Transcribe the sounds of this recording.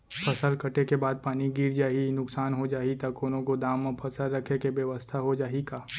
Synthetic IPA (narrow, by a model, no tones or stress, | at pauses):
pʰɐsəlkəʈekebaːd̪̚paːniɡiːɾd͡ʒaːɦinʊksaːnɦod͡ʒaːit̪ɐkʊn̤õkod̪aːmːẽpʰɐsəlɾɐkʰekeʋjəʋəst̪ʰaɦod͡ʒaːɦikaː